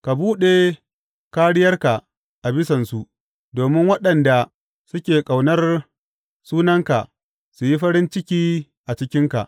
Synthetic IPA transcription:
ka˨buː˦ɗe˨ | kaː˦ɽɪ˦jɐ˦rka˨ | ʔa˨bɪ˦sɐ˨nsu˦ʔ | doː˨mɪ˦ŋwɐ˦ɗɐ˨nda˨ | sʊ˦kʲeː˨kʼa˨wnɐ˦r | suː˦nɐ˦ŋka˨ | su˨ji˦ɸɐ˦ɽɪ˦nt͡ʃɪ˦kʲiː˦ | ʔa˨t͡ʃɪ˦kʲɪ˦ŋka̰˨ʔ

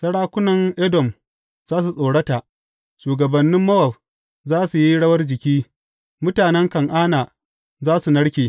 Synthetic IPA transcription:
sɐ˦ɽaː˦kʷʊ˦nɐ˨ŋʔɛ˦dɔ˨m | z̥aː˦s̬u˨sʼoː˨ɽɐ˦ta˨ʔ | ʃuː˨ɡɐ˨bɐ˨nːɪ˦mːɐ˦wɐ˨ɸ̚ | zaː˦su˨ji˦ɽɐ˦wɐ˦rd͡ʒɪ˨kʲiː˦ | mʊ˦taː˨nɛ˦ŋkɐ˨ŋʔaː˦naː˨ | zaː˦su˨nɐ˦ɽkʲeː˨

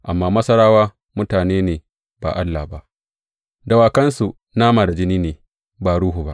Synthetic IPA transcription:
ʔa˨mːaː˦mɐ˦sɐ˦ɾaː˦waː˦ | mʊ˦taː˨neː˦neː˨ | ba̰˨ʔa˦lːa˨ba˦ʔ | da˨waː˨kɐ˦nsu˨ | naː˦maː˨da˨d͡ʒɪ˦niː˦neː˨ | baː˨ɽuː˦ɦu˨ba˦ʔ

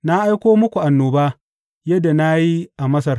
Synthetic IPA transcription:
na˦ʔa˦jkʷoː˦mʊ˦kʷu˨ʔa˨nːoː˨baː˦ | jɐ˦da˨na˦ji˦ʔa˨mɐ˦sɐ˨r

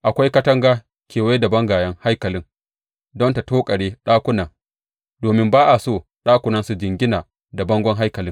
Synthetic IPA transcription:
ʔa˨kʷa˦jkɐ˦tɐ˦ŋɡaː˦ | kʰʲeː˨we˦dɐ˨bɐ˦ŋɡaː˨jɐ˦ŋha˦jkɐ˨lɪ˦ŋ | dɔ˦nta˨toː˦kʼɐ˨ɽeː˦ɗaː˦kʷʊ˦nɐ˨ŋ | doː˨mɪ˦mbaː˦ʔa˨soː˦˨ | ɗaː˦kʷʊ˨nɐ˦nsu˨d͡ʒɪ˨ŋɡʲɪ˦na˨ | da˨bɐ˦ŋɡʷɔ˦ŋɦa˦jkɐ˨lɪ˦ŋ

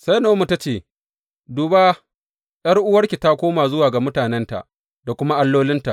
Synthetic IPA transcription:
sa˦jnoː˨˦mu˨ta˦t͡ʃeː˦˨ | duː˨baː˦ | j̰ɐ˦rʔʊ˦wɐ˦rkʲi˨ta˦kʷoː˦maː˨zʊ˦waː˨ɡa˨mʊ˦taː˨nɛ˦nta̰˨ʔ | da˨kʷʊ˦ma˦ʔa˦lːoː˦lɪ˦nta˨ʔ

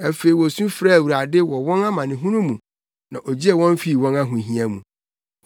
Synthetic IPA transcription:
æ˨fe˨i˨wɔ˨sũ˦fɾa˦˨wu˨ɾa˨dɪ˦wɔ˨wɔ̃˦na˦mã˨nɪ̃˨ɦũ˦nũ˦mũ˨ | nã˨ʔɔ˨d͡ʑi˦ɛ˨wɔ̃˦ɱ˦fi˦˨wɔ̃˦na˦ɦũ˨ɦĩ˦ã˦mṵ̃˨

